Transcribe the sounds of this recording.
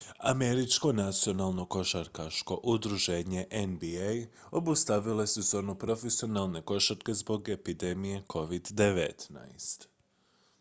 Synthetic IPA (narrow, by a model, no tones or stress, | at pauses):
ame̞ɾit͡ʃko̞nat̪sio̞nalˠno̞ko̞ʃaɾkaʃko̞ʔud̪ɾuʒe̞ːɲe̞ʔenbiej | o̞bust̪aʋiloesezo̞ːnupɾo̞fesio̞nalˠne̞ko̞ʃat̪ke̞zbo̞ɡe̞pid̪e̞mije̞kʰo̞ʋid̪ːe̞ʋḛt̪na̰jst̪